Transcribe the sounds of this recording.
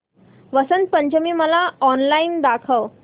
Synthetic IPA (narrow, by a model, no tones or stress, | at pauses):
ʋəsənt̪̚pəɲd͡ʑəmiːməlaɔnlaiːnd̪akʰəʋ